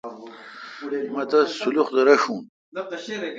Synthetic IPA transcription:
mɐt̪ɐsuluχd̪ɐɾɐʂũːn

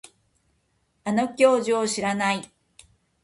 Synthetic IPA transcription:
ano̞kʲo̞ːʑioɕiɾanai

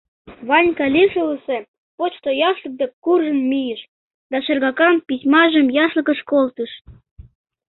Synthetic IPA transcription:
βɑnʲkɑlʲiʃələsĕ | pot͡ɕt̪ojɑʃlə̆k̚d̪ekːurʒə̆nmijəʃ | d̪ɑʃĕrɣɑkɑmpisʲmɑʒə̆mjɑʃlə̆kə̆ʃkolt̪əʃ

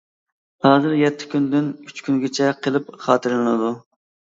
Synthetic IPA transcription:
hɑːzɨɾjɛt̪ʰːɪ̥kʲynd̪ɪnyt͡ʃkʲʰyŋɡʲɪt͡ʃʰɛqʰəlˠɨp̚χɑːt̪ʰɨɾlnɨd̪u

